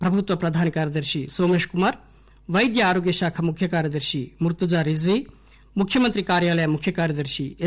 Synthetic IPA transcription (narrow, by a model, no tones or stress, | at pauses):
pɾɐbʱut̪ʋɐpɾɐd̪ʱaːnikaːɾjɐd̪ɐɾʃisoːmeːʃkumaːɾ | ʋɐjd̪jɐaːɾoːɡjɐʃaːkʰɐmukʰjɐkaːɾjɐd̪ɐɾʃimuɾt̪ud͡ʒaːɾizʋi | mukʰjɐmɐnt̪ɾikaːɾjaːlɐjɐmukʰjɐkaːɾjɐd̪ɐɾʃi